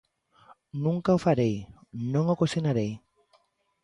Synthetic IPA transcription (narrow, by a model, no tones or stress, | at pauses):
nũŋkaofaɾejnõŋokosenaɾej